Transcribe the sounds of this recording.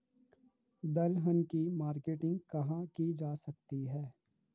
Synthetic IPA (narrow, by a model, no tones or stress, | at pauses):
d̪ɐlɦənkimaːɾkeːʈɪ̃ŋɡkɐɦãkid͡ʒaːsɐk̚t̪iɦɛː